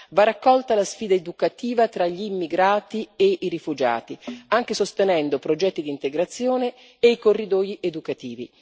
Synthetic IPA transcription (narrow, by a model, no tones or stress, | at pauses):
varakːɔlt̪alasfiːd̪aed̪ukat̪iːvat̪ɾaʎiːmːiɡɾaːt̪ieʔiɾifud͡ʒa̰ːt̪iaŋk̟esost̪enɛnd̪opɾod͡ʒɛt̪ːid̪int̪eɡɾat̪sːjoːneː | ikorːid̪ɔjiʔed̪ukat̪iːvḭ